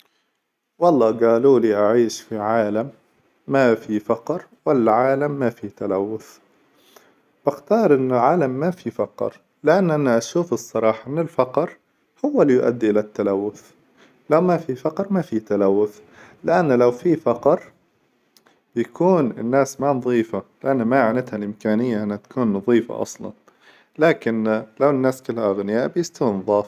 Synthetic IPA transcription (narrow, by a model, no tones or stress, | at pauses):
wɑlˤːɑːɡaːluːliʔaʕiːʃfiʕaːlamː | afifɑqɾwalːaʕaːlamːafit̪alawːʊθ | b̥ɪxt̪ɑːɾˤʔɪnːɪlʕaːlamːafifɑqɾ | lɪʔanːʔanːaʔaʃuːfɨsˤːɑɾˤɑːħɑʔɪnːɪlfɑqɾ | hʊwːalːjʊʔa̰d̪ːiʔɪlat̪ːalawːʊθ | lawmafifɑqɾˤmafit̪alawːʊθ | lɪʔanːlawfifɑqɾˤ | bjakʰuːnɪnːaːsmanɑðˤiːfalɪʔanːmaaʕnɪt̪halʔɪmkaːnɪjːaʔɪnːhat̪ḁkuːnːɑðˤiːfa̰ʔɑ̰sˤlɑ̰n | laːkɪnlawɪnːaːskɪlːhaʔaɣnɪjaːʔbjɪst̪awɪnɑðˤɑːf